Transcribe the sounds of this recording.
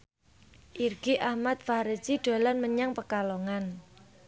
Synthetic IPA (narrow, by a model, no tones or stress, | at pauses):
ʔirɡ̥iʔahmat̪̚fahɾə̥t͡ʃiɖ̥o̤lanməɲaŋpəkaloŋan